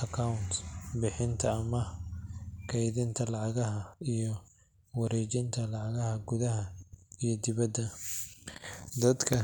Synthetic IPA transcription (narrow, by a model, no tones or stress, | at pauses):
ʔɐkʰɐʊnt̪bɪħɪnt̪ʰɐːmɐ | kʰɐjðɪnt̪ʰɐlɑʕɑɣɐɦɐijɔ | wɐɾɛːt͡ʃɪnt̪ʰɐlɑʕɑɣɐɦɐɡʊðɐɦɐijɞd̪ɪβɐd̪ːɐ | d̪ɐd̪kʰɐ